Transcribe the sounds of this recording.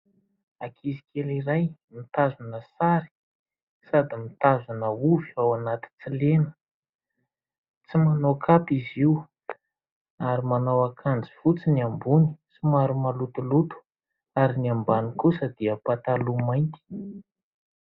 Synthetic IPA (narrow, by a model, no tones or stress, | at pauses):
akʰizi̥kʰʲeliɾajmit̪azunəsaɾi̥ | sad̪imit̪azanəuvi̥awanat̪i̥t͡silenə̥ | t͡simanokʰap̪iziw | aɾimanawakʰand͡zifut͡siniambuni̥simaɾumalut̪ulut̪u̥ | aɾiniambanikusəd̪iəpat̪alumajnt̪i̥